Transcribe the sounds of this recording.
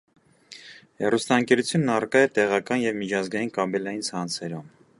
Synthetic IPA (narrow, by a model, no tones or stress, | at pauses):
hɛrust̪ɑəŋkɛɾut͡sʰjunːɑrkɑjɛt̪ɛʁɑkɑnjɛvmit͡ʃʰɑzɡɑjinkɑbɛlɑjint͡sʰɑnt͡sʰɛɾɔm